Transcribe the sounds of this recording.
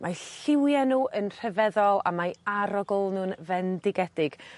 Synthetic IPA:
mʔaɬɪwjanuːʔənr̥ɛvɛðɔlˠa̰majaɾɔɡʊlˠnuːnvɛndɪɡɛdɪɡ̥

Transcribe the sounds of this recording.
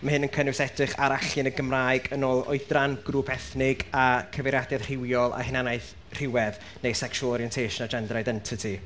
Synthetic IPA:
mahɨnənkʰənusɛdrɨχaɾaɬɨnəɡəmraɨɡənoːlˠɔ̰ɨdranɡ̥ruːpʰɛθnɪɡakʰəvɛɾjadjað̥r̥ɪwjɔlˠa̰hɪnanajθ | r̥ɪwɛð | nejsɛkʃwlˠɔɾiɛntʰejʃənad͡ʒɛndrajdɛntʰɪtʰi

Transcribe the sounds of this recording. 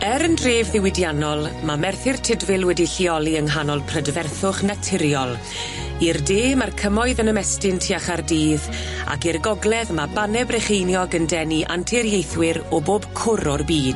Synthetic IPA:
ɛɾəndreːvðɪwɪdjanɔlˠmamɛrθɪrtʰɪdvɪlˠwɛdiɬiɔlˠiəŋɦanɔlˠpʰrədvɛrθʊχnatʰɪɾjɔlˠ | irdeːmarkʰəmɔɨðənəmɛstɪntʰiaχardiːð | a̰kirɡɔɡlˠɛðmabanɛbrɛχejnjɔɡəndɛniʔa̰ntʰɪɾjejθwɪɾɔboːb̥kʰʊɾɔrbiːd̥

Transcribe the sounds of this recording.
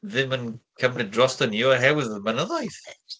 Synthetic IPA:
ðɪmənkʰəmnɪdrɔstənjɔɦɛwɪðəmanəðɔiθ

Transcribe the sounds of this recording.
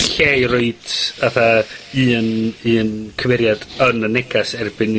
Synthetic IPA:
ɬerʊɨd̥ʰaθaɨːənɨːənkʰəvɛɾjad̥ənənɛɡasɛrbɪn

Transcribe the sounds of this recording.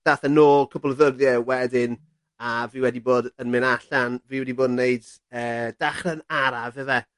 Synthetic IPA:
d̥aθɛnoːkʰəbɔlˠəðərðjɛwɛdɪn | aviːwɛdiboːdənmɪnaɬanviːwɛdiboːdnːejd | əːd̥aχrɛnaɾavɛvɛ

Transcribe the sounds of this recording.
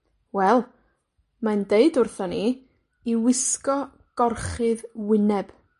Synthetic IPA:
wɛlˠ | mandeɨdʊrθɔni | iwɪskɔ | ɡ̥ɔrχɨðwɪnɛb̥

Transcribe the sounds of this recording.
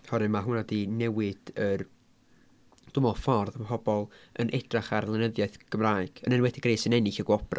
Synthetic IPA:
hɔɾɨmaɦunadinɛwɪd̥ər | d̥ʊmɔlˠfɔrðəmpʰɔbɔlˠə̰nʔɛd̥raχarlˠɪnəðjaɨθɡ̥əmraːɨɡ̥ənənwɛdiɡreːsənɛnɪɬəɡwɔbra

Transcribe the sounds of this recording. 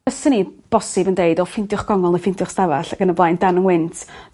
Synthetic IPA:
əsənib̥ɔsɪbəndeɨdɔfɪndjʊχɡ̥ɔŋɔlˠnəfɪntjʊχstavaɬaɡ̥ənəblˠajnd̥anəŋwɪntʰ

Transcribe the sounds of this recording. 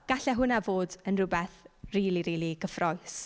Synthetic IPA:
ɡ̥aɬɛɦʊnavoːdənrʊbɛθriːlˠiɾiːlˠiɡ̥əfrɔɨs

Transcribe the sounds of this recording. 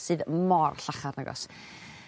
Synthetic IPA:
sɨːðmɔrɬaχarnəɡɔ̰s

